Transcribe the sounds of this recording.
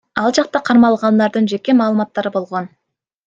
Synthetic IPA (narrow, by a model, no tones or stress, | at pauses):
ɑlˠd͡ʒɑq̚t̪ɑqʰɑɾmɑlˠʁɑnd̪ɑɾd̪ɯnd͡ʒe̞ke̞mɑːlˠɯmɑt̪ːɑɾɯbo̞lˠʁo̞n